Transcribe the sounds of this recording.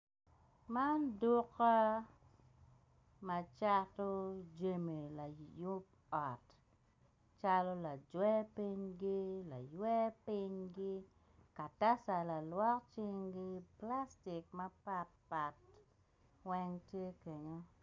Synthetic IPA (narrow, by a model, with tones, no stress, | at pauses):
ma˦ndʊ˦ka˦ | ma˨t͡ʃa˦tɔ˦d͡ʒe˦me˨la˨ju˦p̚ | ɔ˨t | t͡ʃa˦lɔ˦la˨d͡ʒwɛ˦pi˦ɲɡi˦la˨jwɛ˦pɪ˦ɲɡɪ˦ | ka˨ta˦sa˨la˨lwɔ˦kt͡ʃɪ˦ŋɡɪ˦pla˦sti˨k̚ma˦pa˦t̚pa˨t | wɛ˦ŋtje˦ke˨ɲo˦